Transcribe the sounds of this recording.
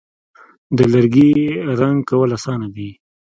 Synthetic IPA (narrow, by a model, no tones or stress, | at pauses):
d̪əlaɾɡiɾaŋɡkawəlasɑnad̪i